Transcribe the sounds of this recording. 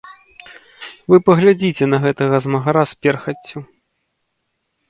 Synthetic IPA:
vɨpɐɣlʲad͡zʲit͡sʲɛnɐɣɛt̪ɐɣɐzmɐɣaɾaspʲɛrxɐt͡sʲːu

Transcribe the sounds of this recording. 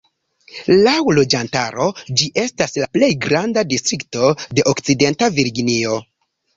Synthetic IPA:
lawlo̞d͡ʒanta̰ɾo̞d͡ʒiʔe̞staslaple̞jɡɾandadistɾikto̞de̞ʔokt͡side̞ntaviɾɡinio̞

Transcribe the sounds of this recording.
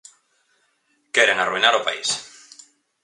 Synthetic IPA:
keɾeŋaruinaɾopais

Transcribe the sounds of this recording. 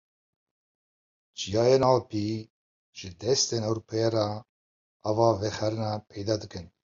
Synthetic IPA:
d͡ʒijɑːjenɑːlpi | ʒ̥ɨd̪ɛst̪enɛwɾupʰejeɾɑ | ɑvɑːvɛxɛɾɨnɑpʰɛjd̪ɑːd̪ɨkɨn

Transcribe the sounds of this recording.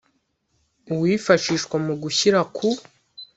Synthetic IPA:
uwiːfaʃiːʃkwamuɡuçiɾakʰu

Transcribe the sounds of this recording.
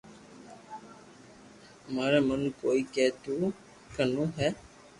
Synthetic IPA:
maːɾeːmənkoːiːkɛːt̪uː | kənũːɦɛː

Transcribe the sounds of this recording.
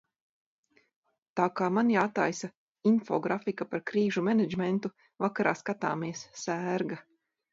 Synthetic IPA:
t̪aːkaːmanjaːt̪a̰jsa | infɔɡɾafikapaɾkɾiːʒumɛnɛd͡ʒmɛnt̪u | vakaɾa̰ːskat̪a̰ːmiɛssæːɾɡa

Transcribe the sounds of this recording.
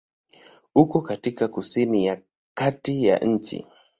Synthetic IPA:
ukɔkatikakusinija | katija̰ʔɲ̩t͡ʃḭ

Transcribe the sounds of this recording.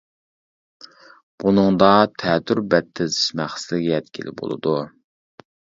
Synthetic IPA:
b̥unɨŋd̪ɑt̪ʰɛt̪yɾbɛt̪ʰːɪzɪʃmæχsɪlɪɡʲɛɛt̪kʲilɪ̰bo̰lˠɨ̰d̪u

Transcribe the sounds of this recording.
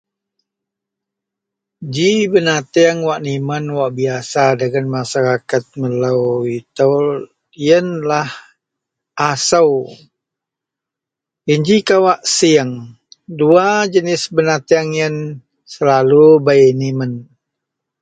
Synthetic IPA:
d͡ʒibənat̪iaŋwaʔnimənwaʔbiasadəɡənmaʃaɾakat̪̚mələwit̪əw | jənlah | ʔasəw | jənd͡ʒikawaʔsiəŋ | duad͡ʒənɪsbənat̪iaŋjən | səlalubajnimən

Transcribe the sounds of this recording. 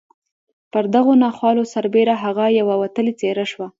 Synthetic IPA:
pəɾd̪aɣonɑxwɑlosaɾbeɾaɦaɣajawawat̪əlet͡seɾaʃwa

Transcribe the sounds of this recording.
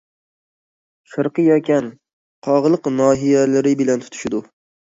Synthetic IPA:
ʃɨɾqɨjɛkʲʰan | qʰɒʁlˠɨqnɒːɦijalɪɾɪbɪlant̪ʰʊ̥t̪ʰɪ̥ʃɪd̪ʊ

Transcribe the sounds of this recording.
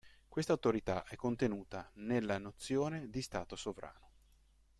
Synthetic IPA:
kwest̪awt̪oɾit̪aʔɛkːont̪enuːt̪anelːanot̪sːjoːned̪ist̪aːt̪osovɾa̰ːno

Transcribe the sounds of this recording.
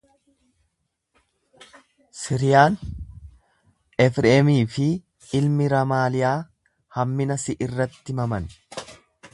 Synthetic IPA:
sɪɾɪjaːn | ɛfɾeːmiːfɪ | ɪlmɪɾɐmaːlɪjaː | hɐmːɪnɐsɪʔɪrːɐt̪ːɪmɐmɐn

